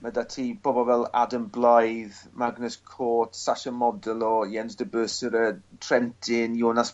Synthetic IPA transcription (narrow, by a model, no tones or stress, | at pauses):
mədatʰiːb̥oːbɔvɛlˠa̰dəmblˠajðmaɡnəskʰoːtsaʃəmɔdəlˠɔiɛnsdəbøːsəɾətʰrɛntʰɪnjoːnas